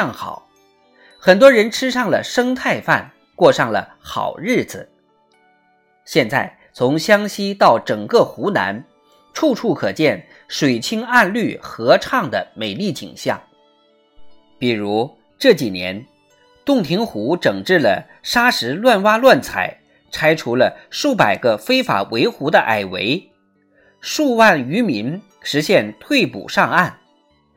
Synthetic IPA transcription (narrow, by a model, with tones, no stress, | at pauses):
ɑ˥˩ŋxɑ̰˨˩˦ʊ | xə˨˩nt̪wɔ˥ɻə˧˥nʈ͡ʂʰɻ̩˥ʂɑ˥˩ŋlə̰˩ʂɤ˥ŋt̪ʰa˥˧ɪfa̰˥˧n | kwɔ˥˧ʂɑ˥˩ŋlə̰˩ | xɑ̰˨˩ʊɻɻ̩˥˩d͡zɹ̩˩ | ɕjɛ˥˧nt͡sa˥˩ɪ | t͡sʰʊ˧˥ŋɕjɑ˥ŋɕi˥t̪ɑ˥˩ʊʈ͡ʂɤ˨˩ŋkɤ˥˩xu˧˥na̰˧˥n | ʈ͡ʂʰu˥˧ʈ͡ʂʰu˥˩kʰɤ˨˩t͡ɕjɛ˥˩n | ʂwe˨˩ɪt͡ɕʰi˥ŋa˥˧nly˥˩xɤ˧˥ʈ͡ʂʰɑ˥˩ŋd̪ə˩me˨˩ɪli˥˩t͡ɕḭ˨˩ŋɕjɑ̰˥˩ŋ | pi˨˩ɻu˧˥ | ʈ͡ʂɤ˥˩t͡ɕi˨˩njɛ̰˧˥n | t̪ʊ˥˩ŋt̪ʰi˧˥ŋxu˧˥ʈ͡ʂɤ˨˩ŋʈ͡ʂɻ̩˥˩lə̰˩ | ʂa˥ʂɻ̩˧˥lwa˥˧nwa˥lwa˥˩nt͡sʰa̰˨˩ɪ | ʈ͡ʂʰa˥ɪʈ͡ʂʰu˧˥lə˧ʂu˥˩pa˨˩ɪɡə˧fe˥ɪfa̰˨˩wʔe˧˥ɪxu˧˥d̪ə˧ʔa̰˨˩ɪwe˧˥ɪ | ʂu˥˧wa˥˩ny˧˥mi˧˥n | ʂɻ̩˧˥ɕjɛ˥˧nt̪ʰwe˥˩ɪpṵ˨˩ʂɑ˥˧ŋa˥˩n